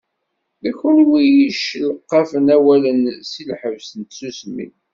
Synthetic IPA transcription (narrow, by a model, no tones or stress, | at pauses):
ðæçʊlwijiʃləqːɑfənæwælənsilħəvsənt̪susmḭn